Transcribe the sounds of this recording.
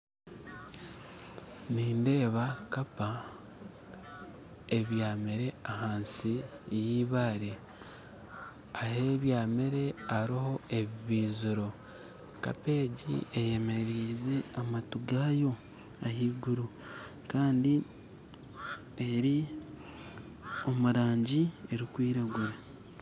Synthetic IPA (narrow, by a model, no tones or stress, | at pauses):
niːnde̞ːβakapa | eβjaːmeɾe̞ahaːnsi | jiːβaːɾe | aheβjaːmeɾe̞aɾiho̞e̞βiβiːziɾo̞ | ka̰pe̞ːɟḭeje̞me̞ɾiːze̞amatuɡaːjo̞ | ahiːɡuɾu | kaːndi | eɾi | o̞muɾaːɲɟie̞ɾikwiːɾaɡuɾe